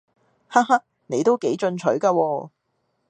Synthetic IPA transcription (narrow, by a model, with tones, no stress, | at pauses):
ha˥ha˥k̚ | ne˨˧jt̪o˥wke˨˥jt͡ʃɵ˧nt͡ʃʰɵ˨˥ɥkaː˧wɔː˧